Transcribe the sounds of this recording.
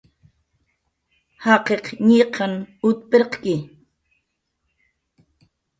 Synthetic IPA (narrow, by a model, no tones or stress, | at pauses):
hɑqeqɲiqʰɑnʊt̪peɾqkɪ